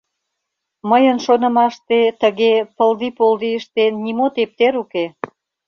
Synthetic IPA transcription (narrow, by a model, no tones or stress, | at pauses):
məjənʃonə̆mɑʃt̪et̪əɣepəld̪ipold̪iəʃt̪enːimot̪ep̚t̪eɾuke